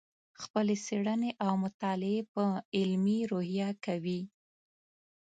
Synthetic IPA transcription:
xpəleseɽəneʔawmʊt̪ɑlɪepəɪlmiɾohjɑkawi

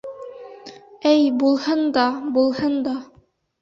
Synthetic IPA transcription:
ɘjbulˠhɤnd̪ɑbulˠhɤnd̪ɑ

